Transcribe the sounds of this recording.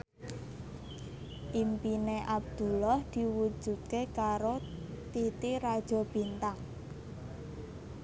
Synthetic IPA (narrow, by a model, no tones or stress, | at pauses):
ʔimpineʔab̚d̪̥ṳlahd̪̥i̤wud̥ʒ̥ṳt̪̚kekaɾot̪it̪iɾad̥ʒ̥ɔ̤b̥i̤nt̪aŋ